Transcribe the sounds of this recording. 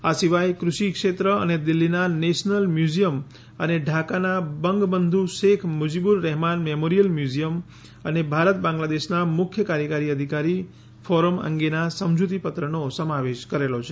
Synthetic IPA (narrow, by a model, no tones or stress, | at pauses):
asiʋajkɾuʃikʃet̪ɾəə̰ned̪ilːinaneʃnəlmjud͡ʒijəm | əneɖʱakanabəŋɡbənd̪ʱuʃekʰmʊd͡ʒibuɾːɛɦmanmemoɾijəlmjuzijəm | ənebʱaɾət̪̚bãŋɡlad̪eʃnamʊkʰjəkaɾjəkaɾiəd̪ʱikaɾi | fɔɾəmə̰ŋɡenasəmd͡ʒut̪ipət̪ɾənosəmaʋeʃkəɾelot͡ʃʰe